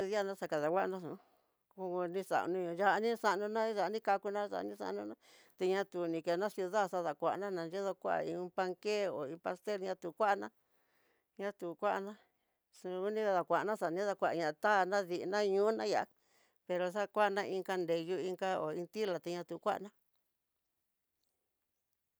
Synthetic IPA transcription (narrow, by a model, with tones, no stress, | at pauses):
ðja˦nã˧sa˧ka˨ða˨wʷa˦ʔnã˦sũ˨˦ | ku˧u˧nĩ˧sa̰˨ʔnũ˧ɲũ˨ja˧ʔnĩ˦sa˧ʔnũ˧nã˦ʒa˨˧nĩ˦ka˧ku˧nã˦sa̰˨˧nĩ˦sa̰˧nũ˧nã˦ | t̪e˧ɲã˧t̪u˨nĩ˨ke˨˧nã˦sju˧ða˦˨sa˧ða˨kʷa˨ʔnã˦nã˨˧nd͡ʒe˦ðo˧kʷa̰˦a̰˧ḭ̃˧˦pa˧ŋke˦o˨ĩ˧pa˧st̪e˦lɲã˧t̪u˨kʷa˦ʔnã˦ | ɲã˧˦t̪u˨kʷa˦ʔa˧nã˦ | su˧u˦nĩ˦a˧ða˨kʷa˨ʔa˨nã˦sa˨˧nĩ˧˦ða˧kʷa˧˨ʔɲã˧ʔt̪a˦˨nã˦ði˨˧nã˦˧ɲũ˦nã̰˦ja˨ʔ | pe˧ɾo˧s̬a˦kʷa˦ʔnã˦˧ĩ˧ŋka˧nde˨ju˧i˧ŋka˦o̰˨ĩ˧nt̪i˦la˨t̪e˧ɲã˧t̪u˨˦kʷa̰˦ʔa̰˧nã˦